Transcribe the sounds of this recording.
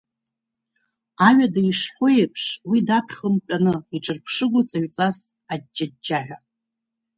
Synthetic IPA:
aɥʷadaiʂħʷojepʰʂwidapʰχʲχəmpʲʷʼanɨiʈ͡ʂʼɨrpʰʂɨɡʷʊt͡sʼaɥt͡sʼas | ad̚d͡ʒad̚d͡ʒaħʷᶣa

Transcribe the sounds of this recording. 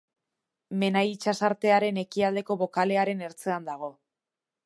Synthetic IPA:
me̞najit͡ʃasaɾt̪e̞aɾe̞ne̞kiald̪e̞ko̞βo̞kale̞aɾe̞ne̞ɾt͡se̞and̪aɣ̞o̞

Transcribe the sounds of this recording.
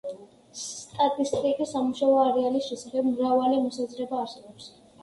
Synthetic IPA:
st̪ʼat̪ʼist̪ʼikʼisːamuʃaɔaɾɛalisʃɛsaχɛbmɾavalimɔsazɾɛbaːɾsɛbɔps

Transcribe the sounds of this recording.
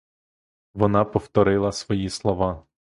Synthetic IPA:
ʋɔnɑpɔft̪ɔɾɪlˠɐsʋɔjislˠɔʋɑ

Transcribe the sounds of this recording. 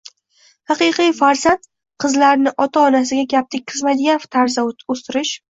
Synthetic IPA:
hɑqɨjqijfaɾzant̪ | qʰɨzlaɾnɪʔɒt̪ʰaɒnas̬ɪɡʲaɡʲap̚t̪ʰɪk̚ʲqʰɨzmajd̪ɪɡʲanft̪ʰaɾzaost̪ɪɾɪʃ

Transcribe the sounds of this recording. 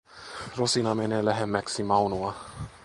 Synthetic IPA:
ɾɔsinamɛnɛlɛɦɛmɛksimawnua

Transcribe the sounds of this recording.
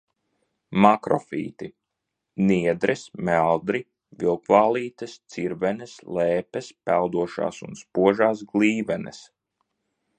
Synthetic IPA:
makɾɔ̰fḭːt̪i | niɛd̪ɾɛsmælˠd̪ɾi | vilˠkvaːlˠiːt̪ɨst̪siɾvɛnɛslɛːpɛspælˠd̪uɔʃa̰ːsṵnspuɔʒaːsɡlˠiːvɛnɛ̰s

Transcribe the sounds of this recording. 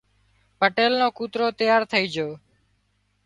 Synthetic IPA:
pəʈeːlnõːkuːt̪ɾoːt̪əjaːɾt̪ʰəiːd͡ʒoː

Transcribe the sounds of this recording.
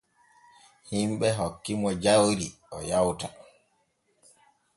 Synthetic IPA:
himɓɛɦokːimɔd͡ʒawɾi | ɔjawta

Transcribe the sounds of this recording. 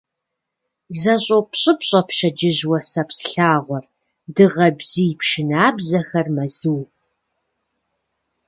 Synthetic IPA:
zɐɕʼowpʰɕʼɪpɕʼɐpʃɐd͡ʒɪʑwɐsɐpsɬaːʁʷɔr | dɨʁɐbzijpʰʃɪnaːbzɐxɐrmɐzɨw

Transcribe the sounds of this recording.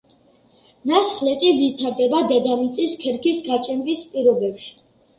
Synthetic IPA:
nasχlɛt̪ʼilit̪ʰaɾd̪ɛbad̪ɛd̪amit̪sʼiskʰɛɾkisɡat͡ʃʼɛnbispʼiɾɔbɛpʃi̥

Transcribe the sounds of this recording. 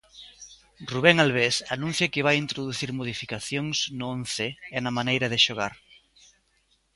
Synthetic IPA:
ruβɛŋalβ̞esanũn̟θjɐkɪβajint̪ɾoðuθiɾmoðifikaθjoŋznʊonθeɛnɐmanejɾɐðɪʃoɣ̞a̰ɾ

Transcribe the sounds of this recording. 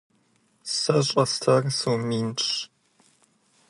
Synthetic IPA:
sɐɕʼɐstʰɐrsuwmiːnʈ͡ʂʰʼ

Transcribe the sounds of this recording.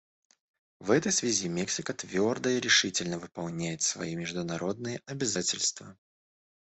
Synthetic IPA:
vɛt̪əjsvʲɪzʲimʲeksʲɪkət̪vʲo̞rd̪əiɾʲɪʂɨtʲɪlʲnəvɨpɐlˠnʲæjɪt̪svɐ̰imʲɪʐd̪ʊnɐɾo̞d̪̚nɨjəʔɐbʲɪzatʲɪlʲst̪və

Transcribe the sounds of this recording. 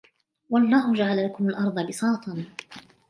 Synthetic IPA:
wɑʔɑlˤːɑːhʊd͡ʒaʕalalakʊmalʔɑɾˤd̪ˤɑbɪsˤɑːt̪ʰˤɑn

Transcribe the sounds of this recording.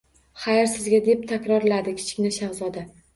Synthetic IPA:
χajɪɾsɪzɡʲad̪e̞p̚t̪ʰakʲɾɒɾlad̪ɪkʲʰɪ̥t͡ʃʰɪ̥kʲnɪʃamzɒd̪a

